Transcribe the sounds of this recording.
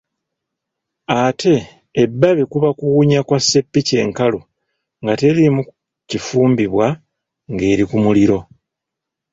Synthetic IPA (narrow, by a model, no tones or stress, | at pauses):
atʰe̞ː | bːaβikuβakuɣuɲakwasːe̞pːice̞ːŋkalo | ŋɡate̞limu | cifuːmbiβwa | ŋɡe̞ːɾikumuliɾo̞